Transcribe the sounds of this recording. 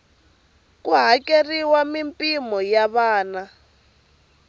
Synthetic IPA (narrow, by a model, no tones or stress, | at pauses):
kʼuɦakʼeriwamimpʼimɔjaβaːna